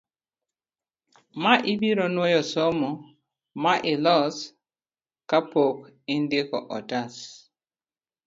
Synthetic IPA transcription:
maʔɪbiɾɔnwɔjɔsɔmɔ | maʔɪlɔs | kapok | ɪndɪkɔ̰ʔɔ̰tas

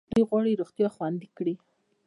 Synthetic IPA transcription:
d̪̥ujɣwɑɽiɾoɣt̪jɑxwand̪ikɽi

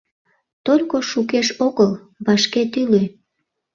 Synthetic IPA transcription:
t̪olʲkoʃukeʃoɣəl | βɑʃket̪ylø

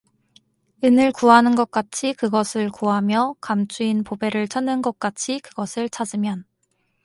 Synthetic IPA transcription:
ɯnɯɭkuɦanɯnɡʌk̚k͈at͡ɕʰikɯɡʌsʰɯɭkuɦamjʌkamt͡ɕʰuinpobe̞ɾɯɭt͡ɕʰʌnːɯnɡʌk̚k͈at͡ɕʰikɯɡʌsʰɯɭt͡ɕʰad͡ʑɯmjʌn

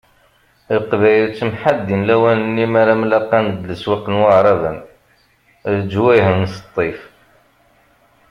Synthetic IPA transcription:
lqvæjəlt͡sːəmħad̪ːinlæwænənːimaɾamlæqːɑnəd̪ləswɑqənwaʕɾˤɑvən | d͡ʒwæjhəmnsə̥t̪ˤːif

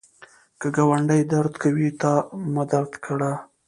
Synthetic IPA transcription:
kəɡawaɳɖajd̪aɾd̪kawit̪ɑmad̪aɾd̪kɽa

